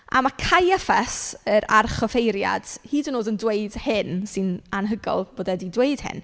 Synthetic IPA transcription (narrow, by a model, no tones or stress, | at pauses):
a̰makʰajɛfɛsəɾarχɔfejɾja̰d̥hiːdənoːdəndweɨd̥hɪnsɪnanɦəɡɔ̰lˠboːdɛdidweɨd̥hɪ̰n